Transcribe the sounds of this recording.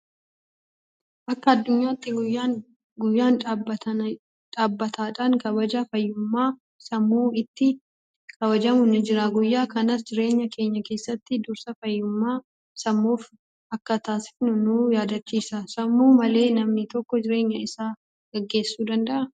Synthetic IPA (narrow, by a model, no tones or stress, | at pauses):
ʔɐkːɐːd̪ːʊɲːaːt̪ːɪɡʊjːaː | ɡʊjːaːnːbɐɐ | ᶑaːbːɐt̪ʰaːᶑaːŋkɐbɐd͡ʒɐfɐjːʊmːaː | sɐmːuːɪt̪ːɪ | kʰɐβɐd͡ʒɐmʊnɪd͡ʒɪɾɐɡʊjːaːkɐnɐs̬d͡ʒɪɾe̞ːɲːɐkʰe̞ːɲːɐke̞ːsːɐt̪ːɪd̪ʊɾsɐfɐjːʊmːaː | sɐmːuːf | ɐkːɐt̪aːsɪfnʊnʊjaːd̪ɐt͡ʃːiːsɐsɐmːuːmɐle̞ːnɐmnɪt̪ɔkːɔd͡ʒɪɾe̞ːɲːɐɪsaː | ɡ̥ɐɡːe̞ːsːuːd̪ɐnd̪ɐʔɐ